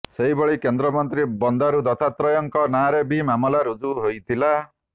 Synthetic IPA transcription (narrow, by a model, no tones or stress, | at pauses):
seɦibɔɭikend̪ɾɔmɔnt̪ɾibɔnd̪aɾud̪ɔt̪ʰat̪ɾɔjɔŋkɔnaɾebimamɔlaɾud͡ʒuɦojt̪ʰila